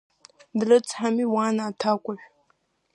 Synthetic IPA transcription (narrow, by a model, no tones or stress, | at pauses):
dɨrɨt͡sʼħamiːwaːnaːtʰaːkʷʼaʃʷ